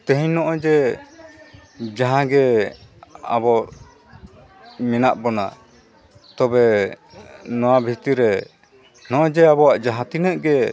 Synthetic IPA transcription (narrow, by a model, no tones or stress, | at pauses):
t̪ɛɦiɲnɔʔɔd͡ʒɛ | d͡ʒaɦãɡɛ | a̰bɔ | mɛnaʔbɔna̰ | t̪ɔbɛ | nɔ̃wabʱit̪iɾɛ | nɔʔɔ̃d͡ʒɛaβɔwaʔd͡ʒaɦãt̪inəʔɡɛ